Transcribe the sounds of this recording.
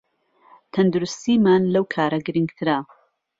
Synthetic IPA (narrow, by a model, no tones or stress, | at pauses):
t̪ʰɐnd̪ʊɾʊst̪iːmaːnlɐwkʰaːɾɐɡɨɾɨŋɡt̪ʰɨɾɐ